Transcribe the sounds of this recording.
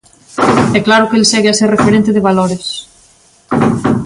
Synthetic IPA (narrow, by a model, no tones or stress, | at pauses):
ɛklaɾʊkelseɣeaseɾrefeɾent̪eðeβaloɾes